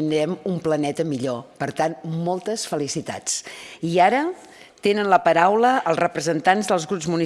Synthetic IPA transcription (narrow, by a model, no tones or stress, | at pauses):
nd̪ɾɛmumplənɛt̪əmiʎopəɾt̪anmɔlˠt̪əsfəlisit̪a̰t͡siaɾə | t̪enənləpəɾawləəlˠzrəpɾəzənt̪anzðəlˠzɣɾupzmuni